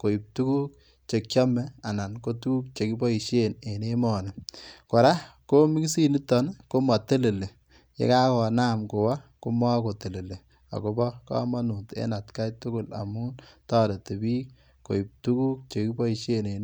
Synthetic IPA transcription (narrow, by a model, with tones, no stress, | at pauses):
ko˨i˨p̚tu˦ku˦k̚ | t͡ʃe˨k̚ɔ˦mɛ˨a˨na˨nko˦tu˦ku˦k̚t͡ʃe˨ki˦bɔ˦i˨ʃe˦ne˨ne˦mɔ˨ne˨ko˨ɾa˦ko˦mi˦ksi˦ni˦tːɔ˦nko˦ma˨te˦le˨le˨ | jḛ˦ka˦kɔ˨na˦mko˨wa˦ko˦ma˦ko˨te˨le˨le˨ | a̰˨ko˨bɔ˦ka̰˦ma˦nu˨tḛ˦na˨tka˦jtʊ˦kʊ˨la̰˨mu˦tɔ˦ɾe˨te˨biː˦k | ko̰˨i˨p̚tu˦ku˦k̚t͡ʃe˨ki˦bɔ˦i˨ʃe˦ne˨n